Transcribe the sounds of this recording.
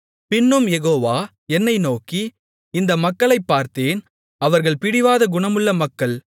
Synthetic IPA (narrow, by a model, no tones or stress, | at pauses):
pɪnːɯmjɛɣoːʋaː | ɛnːɐɪnoːki | ɪnd̪ɐmɐkːɐɭɐɪpːaːɾt̪eːn | ɐʋɐɾɣɐɭpɪɽɪʋaːðɐɡʊɳɐmɯɭːɐmɐkːɐɭ